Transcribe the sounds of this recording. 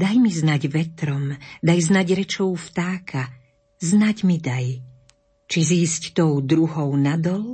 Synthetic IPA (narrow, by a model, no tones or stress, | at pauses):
d̪ajmiznaɟʋɛt̪ɾɔmd̪ajznaɟɾɛt͡ʃɔʊft̪aːkʰa | znaɟmid̪aj | t͡ʃiziːsct̪ɔʊd̪ɾuɦɔʊnad̪ɔl